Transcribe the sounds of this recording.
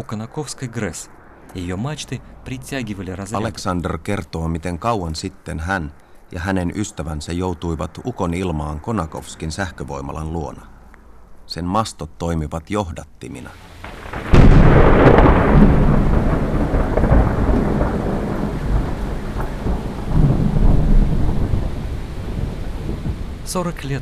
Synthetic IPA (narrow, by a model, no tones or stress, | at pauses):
ukonɑkofskɐjɡres | jɪjomɑt͡ʃt̪ɨprʲitʲæɡʲiʋəlʲirɑzɑle̞ksɑnderke̞rt̪o̞ːmit̪e̞ŋkɑwɑnsit̪ːe̞nɦæn | jɑɦæne̞nʔyst̪æʋænsæjo̞wt̪ujʋɑt̪uko̞nilmɑːŋko̞nɑko̞̰fskinsæhkøʋo̞̰jmɑ̰lɑnluo̞nɑ | se̞nmɑst̪ot̪ːo̞jmiʋɑt̪jo̞ɦdɑt̪ːimḭnɑ | soɾkli